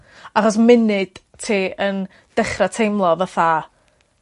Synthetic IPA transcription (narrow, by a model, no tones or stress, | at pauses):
aχɔs̬mɪnɨd̥ | tʰeːən | d̥ɛχratʰejmlˠɔvəfa